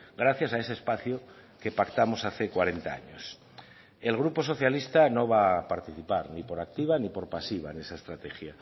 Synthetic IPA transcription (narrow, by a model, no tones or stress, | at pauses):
ɡɾaθjasae̞seːspaθjo | ke̞pakt̪amosaθekwaɾe̞nt̪aa̰ɲo̰s | e̞lɣ̞ɾuposo̞θjalist̪ano̞βapaɾt̪iθipaɾnipoɾak̚t̪iβ̞anipo̞ɾpasiβ̞a̰enesaest̪ɾat̪exja